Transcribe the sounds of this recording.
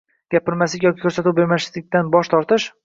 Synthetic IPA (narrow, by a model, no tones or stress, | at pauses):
ɡ̥ʲapɪɾmaslɪkʲjɒkʲi̥kʰɵɾsat̪ubeɾmaslɪk̚ʲd̪anbɒʃt̪ʰɒɾt̪ʰɪʃ